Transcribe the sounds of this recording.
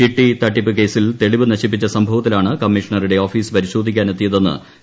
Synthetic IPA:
iʈːit̪ɐʈːipːɨke̞ːsilt̪e̞ɭiʋɨnɐɕip̬ːit͡ɕːɐsɐmbʱɐʋɐt̪ːilaːɳɨkɐmːiʂɐɳɐriɽe̞oːfiːspɐɾiɕo̞ːd̪ʱikʲːaːne̞t̪ːijɐðe̞nːɨ̰

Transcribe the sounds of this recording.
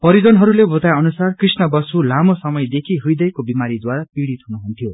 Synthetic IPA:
pʌɾid͡zʌnɦʌɾulebʱot̪ajʌnusarkrisnʌbʌsulamosʌmʌjd̪ekʰiɦujd̪ʌjkobimaɾid̪waɾapiɽit̪ɦunuɦunt̪ʰijo

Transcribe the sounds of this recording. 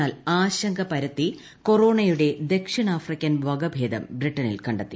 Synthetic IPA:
aːlaːɕɐŋɡʱɐpɐɾɐt̪ːi | ko̞ro̞ːɳɐjuɽe̞d̪e̞kʂɐɳaːfrikʲːɐnʋɐɡɐbʱe̞ːd̪ɐ̰mbriʈːɐnḭlkɐɳɖɐt̪ːi

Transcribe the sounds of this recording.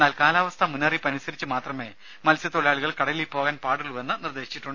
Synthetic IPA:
naːlkaːlaːʋɐst̪ʰɐmunːɐripːɐnisɐɾit͡ɕːɨmaːt̪rɐme̞ː | mɐlsjɐt̪oɭjaːɭuɣɐɭkɐɽɐlipo̞ːɣaːnpaːɽuɭuʋenːɨnird̪e̞ːɕi̥t͡ɕːiʈːuɳɖɨ

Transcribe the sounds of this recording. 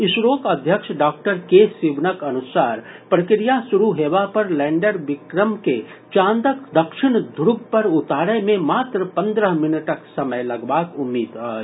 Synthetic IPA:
ɪʃɾoːkɐd̪ʱjəkʃɖaːk̚ʈəɾkesiʋnəkɐnʊsaːɾ | pɾɐkɾijasʊɾuɦeːʋapɐɾlɛ̃ːɳɖəɾʋɪkɾəmke | t͡ʃãːnd̪əkd̪ɐkʃɪɳ̃d̪ʱɾʊɡ̚ʱpɐɾʊt̪aːɽemẽmaːt̪ɾəpɐ̃nd̪ɾəɦmɪnəʈəksɐməjlɐɡbaːkʊmːiːd̪ɦaː

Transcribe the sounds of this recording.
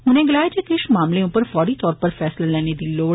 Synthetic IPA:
ɦʊnẽɡɪlaːed͡ʒekɪʃmaːmleʊpəɾfɔːɽit̪ɔːɾpəɾfɛːslalɛːned̪iːloː

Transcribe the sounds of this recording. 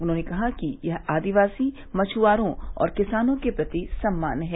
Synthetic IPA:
ʊnɦõːnekɐɦakijɐɦaːd̪iʋaːsi | mɐt͡ʃʰuaːɾõɔ̰ːɾkɪsaːnõkepɾɐt̪isɐmːa̰ːnɦɛː

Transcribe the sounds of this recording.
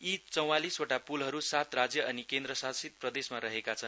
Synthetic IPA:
it͡sʌw̃alisoʈapulɦʌɾusat̪rad͡zjʌʔʌnikend̪ɾʌsasit̪̚prʌd̪esmaɾʌɦekat͡sʰʌn

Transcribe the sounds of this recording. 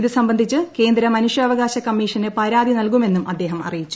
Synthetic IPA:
iðɨsɐmbɐnd̪ʱit͡ɕːɨke̞ːnd̪ɾɐmɐnuʂjɐːʋɐɣaːɕɐkɐmːiːʂɐnɨpɐɾaːd̪inɐlkume̞nːumʔɐd̪ːe̞ːɦɐmɐ̰rijit͡ɕːu̥

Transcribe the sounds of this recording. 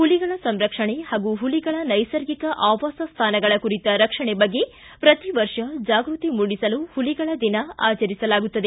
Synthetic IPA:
huliɡɐɭɐsɐmɾɐkʂɐɳehaːɡuɦuliɡɐɭɐnɐjsɐɾɡikɐʔaːʋaːsɐst̪ʰaːnɐɡɐɭɐkuɾit̪ɐɾɐkʂɐɳebɐɡːe̞ | pɾɐt̪iʋɐɾʂɐd͡ʒaːɡɾut̪imuɽisɐluhuliɡɐɭɐd̪inɐaːt͡ʃɐɾisɐlaːɡut̪ːɐd̪e̞

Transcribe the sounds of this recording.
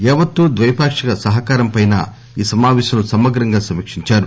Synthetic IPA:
ɛːʋɐt̪ːuːd̪ʋɐjɐpaːkʂɐkɐsɐɦɐkaːɾɐmpɐjna̰ː | iːsɐmaːʋɛːʃɐnusɐmɐɡɾɐŋɡaːsɐmikʂiɲt͡ʃaːɾu

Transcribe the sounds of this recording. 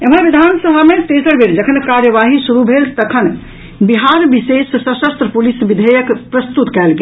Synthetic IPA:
ebʱənʋid̪ʱansəbʱamet̪esəɽbʱiɾd͡ʒəkʰənkaɾjəʋaɦisuɾubʱelt̪əkʰən | biɦaɾbisesːəsəst̪ɾəpulisʋid̪ʱəjəkpɾəst̪ut̪kɛlɡe

